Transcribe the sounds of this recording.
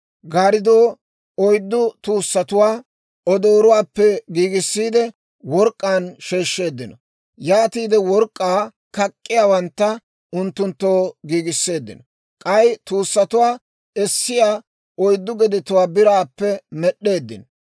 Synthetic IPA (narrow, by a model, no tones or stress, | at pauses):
ɡaːɾɪd̪o̞ː | ɔjd̪ːʊt̪uːsːɐt̪ʊwaː | ɔd̪oːɾʊwaːpːɛɡiːɡɪsːiːd̪ɛ | wɔɾkʼːaːnʃe̞ːʃːe̞ːd̪ːɪnɔ | jaːt̪iːd̪ɛwɔɾkʼːaː | kɐkʼːɪjaːwɐnt̪ːɐ | ʊnt̪ːʊnt̪ːoːɡiːɡɪsːe̞ːd̪ːɪ̰nɔ | kʼɐjt̪uːsːɐt̪ʊwaː | ɛsːɪjaː | ʔɔjd̪ːʊɡɛd̪ɪt̪ʊwaːbɪɾaːpːɛmɛɗːe̞ːd̪ːɪnɔ